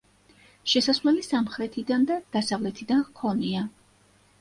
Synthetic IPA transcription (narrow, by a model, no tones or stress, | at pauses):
ʃɛsasvlɛlisamχɾɛt̪ʰid̪and̪ad̪̥asavlɛt̪ʰid̪ankʰɔnia